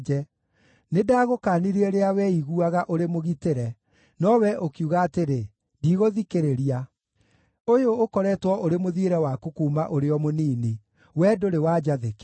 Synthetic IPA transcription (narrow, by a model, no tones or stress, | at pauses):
d͡ʒɛ | nedaːɣokaniɾeɛɾeawɛiɣuaɣaʔoɾemoɣiteɾɛ | nɔwɛʔokjuɣaːteɾe | diːɣoðikeɾeɾia | ojoːkɔɾɛtwɔʔoɾemoðieɾɛwakukuːmaʔoɾeɔmoniːni | wɛːdoɾewaːd͡ʒaðek